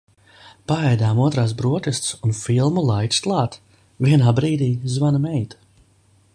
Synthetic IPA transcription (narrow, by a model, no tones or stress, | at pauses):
paɛjd̪aːmuɔt̪ɾaːs̬bɾuɔt̪ʲɛst̪sunfilˠmulˠajt̪ʲsklˠaːt̪ | viɛnaːbɾiːd̪iːzvanamɛjt̪ḁ